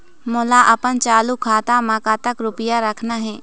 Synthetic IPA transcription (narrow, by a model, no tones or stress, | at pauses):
mʊlaʔɐpənt͡ʃaːlukʰaːt̪amakaːt̪əkɾʊpəjaɾəkʰnaɦɛː